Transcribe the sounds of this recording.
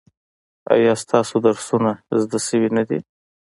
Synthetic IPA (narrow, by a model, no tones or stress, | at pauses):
a̰jɑst̪ɑsod̪aɾsunazd̪asəwinad̪ḭ